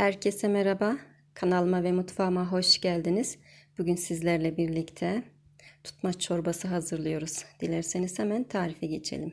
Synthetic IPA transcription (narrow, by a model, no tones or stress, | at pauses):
hæɾcʰe̞sɛmeɾaba | kʰanalˠmavɛmut̪faːmaɦo̞ʃɟælʲd̪iniz̥b̥uɟynsizlʲæɾlʲɛbiɾlʲict̪ʰɛ | t̪ʰu̥t̪mat͡ʃʰo̞ɾbasɯɦazɯɾlˠɯjo̞ɾuz̥d̪̥ilʲæɾseniz̥hɛmænt̪ʰaːɾifɛɟe̞t͡ʃʰḛlʲim